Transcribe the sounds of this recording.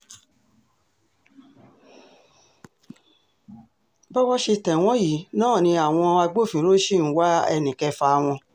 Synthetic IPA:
bɔ˦wɔ˦ʃe˧tɛ̃˨w̃ɔ̃˦ji˨˦nãː˦˨nĩ˧a˨w̃ɔ̃˧a˧ɡ͡bo˦˨fĩ˨˦ɾo˦ʃi˦˨˦wa˦ɛ̰˧nĩ˨kɛ˧fa˧w̃ɔ̃˧

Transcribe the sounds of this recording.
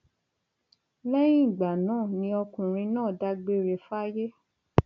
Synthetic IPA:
lɛ˦jĩ˦˨ɡ͡ba˨nãː˦˨nĩ˧˦ɔ˧kũ˨ɾ̃ĩ˧nãː˦˨da˧ɡ͡be˧ɾe˨fa˦je˦

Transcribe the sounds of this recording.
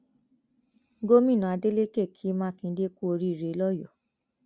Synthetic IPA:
ɡo˦mĩ˦˨nũ˨a˧de˦le˦ke˦˨kʰi˨˦mã˦kĩ˧˦de˦ku˦o˧ɾi˦˨ɾe˨˧lɔ˦jɔ˨

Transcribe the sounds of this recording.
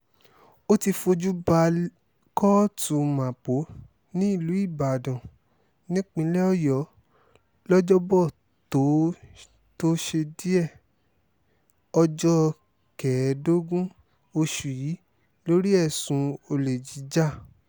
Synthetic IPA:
o˦ti˧fo˧d͡ʒu˦ba˧ | kɔ˦tũ˧˦mã˨po˨˦ | nĩ˦i˦˨lu˨˦i˦˨ba˨dã˨ | nĩ˦k͡pĩ˧˦lɛ˦ɔ˦˨jɔ˨˦ | lɔ˦d͡ʒɔ˦bɔ˦˨ | to˨˦ | to˦ʃe˧di˦ɛ˦˨ | ɔ˧d͡ʒɔ˦ | kɛ˨˦do˦ɡũ˦ | o˧ʃu˨ji˨˦ | lo˦ɾi˦ɛ˦˨sũ˧o˧le˨d͡ʒi˨˦d͡ʒa˦˨

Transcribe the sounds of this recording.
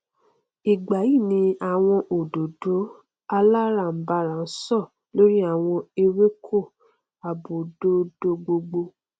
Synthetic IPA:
i˨ɡ͡ba˨ji˦˨nĩ˧a˨w̃ɔ̃˧ʔo˨do˨do˨˦ | a˧la˦ɾa˦˨m̩˨ba˧ɾã˨n̩˦sɔ˦˨ | lo˦ɾi˦a˦˨w̃ɔ̃˧e˧we˦kʰo˦˨ | a˨bo˨do˨˦do˧ɡ͡bo˧ɡ͡bo˧

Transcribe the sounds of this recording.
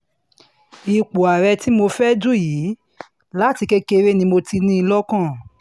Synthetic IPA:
i˧k͡po˨a˨ɾɛ˧ti˦mo˧fɛ˦du˦jiː˨˦ | la˦ti˧ke˦ke˧ɾe˦nĩ˧mo˧ti˧nĩ˦˧lɔ˦kã˦˨

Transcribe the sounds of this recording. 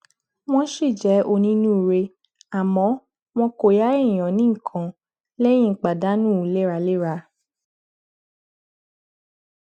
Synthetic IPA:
w̃ɔ̃˦˧ʃi˦˨d͡ʒɛ˨˦ʔo˧nĩ˦nũ˦˨ɾe˧ | a˨mɔ̃˨˦ | w̃ɔ̃˧ko˨ja˨˦ẽ˦˨ɔ̃˨nĩ˦˨kʰã˨ | lɛ˦j̃ĩ˦˨k͡pa˨da˨˦nũ˦˨˦le˦ɾa˧le˦ɾa˧

